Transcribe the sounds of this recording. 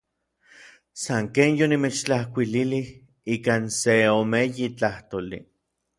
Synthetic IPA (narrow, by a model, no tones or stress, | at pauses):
saŋkeːnjonimet͡ʃt͡ɬahkʷililih | iːkaːnseomejit͡ɬaht̪oːlḭ